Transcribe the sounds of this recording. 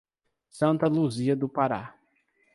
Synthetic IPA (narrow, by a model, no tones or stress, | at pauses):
sɐ̃nt̪ɐluziɐd̪ʊpaɾa̰